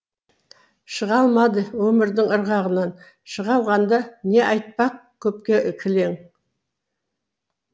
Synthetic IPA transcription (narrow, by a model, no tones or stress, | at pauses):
ʃəʁɑlˠmɑd̪əwɵmɪɾd̪ɪŋəɾʁɑʁənɑn | ʃəʁɑlˠʁɑnd̪ɑne̞ʔɑjt̪̚pɑq̚kʲʰːɵp̚kʲe̞ʔɪkʲʰɪle̞ŋ